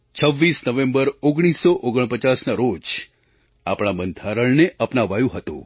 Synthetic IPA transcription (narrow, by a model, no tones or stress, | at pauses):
t͡ʃʰəʋːisnəʋẽmbəɾoɡɽ̃isːoʔoɡəɳ̃pət͡ʃasnaɾod͡ʒ | apɽ̃abənd̪ʱaɾəɭneʔəpnaʋajũɦət̪ṵ̃